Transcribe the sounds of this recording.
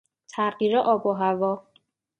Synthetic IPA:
t̪ʰæɢiːɾɛʔɒːboɦævɒ

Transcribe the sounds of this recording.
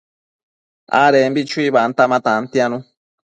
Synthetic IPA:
a̰ɾɛm̩bit͡ʃwiβan̩tamatan̩tianu

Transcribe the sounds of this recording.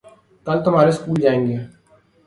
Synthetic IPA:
kaːlt̪ʊm̤aːɾeskuːld͡ʒaːẽːŋɡeː

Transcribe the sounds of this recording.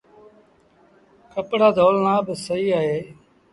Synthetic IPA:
kəpɽaːd̪ʱoːlnãːbɪsəɦiːaːɦeː

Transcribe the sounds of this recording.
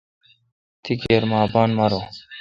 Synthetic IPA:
t̪ʰikeːɾmaːbaːnmɐɾoː

